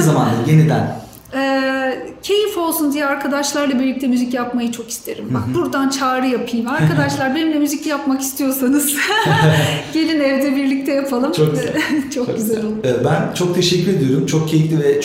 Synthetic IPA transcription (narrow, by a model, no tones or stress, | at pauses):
zamand̪aje̞nid̪æn | ɛːcʰe̞jifo̞lˠsund̪ijɛaɾkʰad̪aʃlˠaɾlˠabiɾlʲic̚t̪ʰɛmyzicjapmajɯt͡ʃʰo̞ki̥st̪ʰe̞ɾimbak̚buɾd̪ant͡ʃʰaːɾɯjapʰɯjmaɾkʰad̪aʃlˠaɾbenimlʲɛmyzicjapmaki̥st̪ʰijo̞ɾsanɯz̥ | ɟe̞lʲineɾed̪ɛbiɾlʲic̚t̪ʰɛjapʰalˠɯmt͡ʃʰok̚ɟt͡ʃʰo̞kɟyzɛlʲolˠɛɛt̪̚bænt͡ʃʰo̞k̚t̪ʰe̞ʃɛcːyɾed̪ijoɾumt͡ʃʰo̞k̚cʰejiclʲivɛt͡ʃ